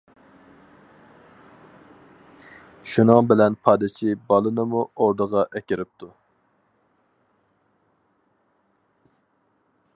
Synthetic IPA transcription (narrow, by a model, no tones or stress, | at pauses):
ʃunɨŋbɪlɛnpʰɑːd̪ɪt͡ʃʰibɑlˠɨnɨmuoɾd̪əʁɑʔɛkʲɪɾɪp̚t̪ʰu